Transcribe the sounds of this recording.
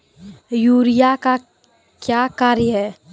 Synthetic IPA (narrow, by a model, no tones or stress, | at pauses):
juːɾijaka | kjaːkaːɾjəɦɛː